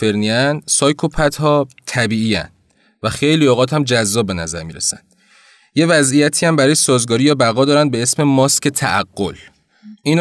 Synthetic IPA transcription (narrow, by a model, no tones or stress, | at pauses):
e̞ɾniænsɒːjkʰopʰæt̪hɒːt̪ʰæbiːiːæ̰n | væxe̞jlioɣɒːt̪hæmd͡ʒæzːɒːb̚ːe̞næzæɾmiːɾḛsænd̪̥ | je̞væzijæt̪ʰiːæmbæɾɒːjesɒːzɡɒːɾijɒːbæɣɒːd̪ɒːɾænd̪̚be̞esme̞mɒːscʰe̞t̪ʰæʔæɡːo̞l | ʔiːn